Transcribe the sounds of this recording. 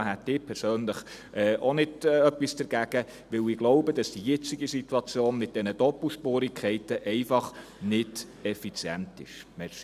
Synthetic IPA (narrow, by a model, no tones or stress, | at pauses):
hæt̪ɪːpʰɛɾsøːnləχ | ʔɛːʔonɪdœpwisd̥əɾɡ̥æɡ̥ə | ʋɪwɪɡloʊbəd̥ɑsd̥ijɛt͡siɡisituɑt͡sjoːnmɪt̚d̥ɛnəd̥ɔpl̩ʃpoːɾikʰχɛɪtəʔɛɪfɑχ | nɪd | ɛfit͡sjɛntɪ̰ʃmɛs